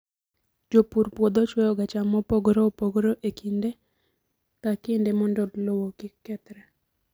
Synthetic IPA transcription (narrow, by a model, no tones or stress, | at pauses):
d͡ʒopuɾpwod̪ot͡ʃwɔjɔɡat͡ʃamɔpoɡɾopoɡɾoʔekinde | t̪akindemɔndɔlowokikːɛt̪ɾɛ